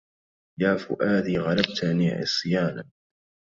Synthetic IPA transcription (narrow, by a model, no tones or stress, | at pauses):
jaːfʊ̰ʔaːd̪iːɣɑlab̚t̪anḭːʕɪ̰sˤɨjaːna